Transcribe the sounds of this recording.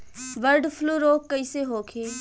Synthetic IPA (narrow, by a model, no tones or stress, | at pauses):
ʋəɾɖfʰluːɾoːkːɐiːseɦoːkʰeː